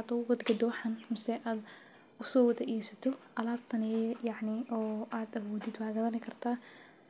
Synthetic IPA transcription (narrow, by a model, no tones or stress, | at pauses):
ad̪ɔwɐd̪ɡɐd̪ɔːħɐnmɪsɛʔaːd̪ | ʊsɔːwɐðɐʔiːbsɐt̪ʰɔʔɐlaːb̚t̪ʰɐnɪjɑʕnɪʔɔːʔaːd̪ɐβɔːd̪ɪd̪waːɣɐðɐnɪkʰɐrt̪ʰaː